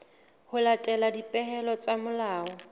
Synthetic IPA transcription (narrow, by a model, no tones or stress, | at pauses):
hʊlatʼɛladipʼɛhɛlɔt͡sʼamʊlaːɔ